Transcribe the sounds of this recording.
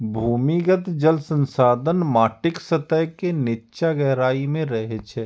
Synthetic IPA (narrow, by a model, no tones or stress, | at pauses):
bʱuːmiɡət̪d͡ʒəlsə̃nsaːd̪ʱənmaːʈɪksət̪əjkenɪtːʃaɡɛɦɾaːimẽɾɐɦet͡ʃʰɛː